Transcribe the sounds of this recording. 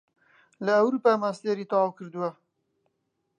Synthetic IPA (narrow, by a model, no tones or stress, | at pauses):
ləːwɾupamasleɾit̪ɑwwkɨɾd̪uwa